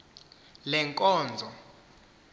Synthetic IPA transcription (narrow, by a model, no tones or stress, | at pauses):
lɛŋkʼɔːnd͡zʱɔ